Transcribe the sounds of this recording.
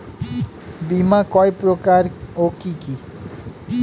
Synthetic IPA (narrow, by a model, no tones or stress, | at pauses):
bimakɔjpɾokaɾokiki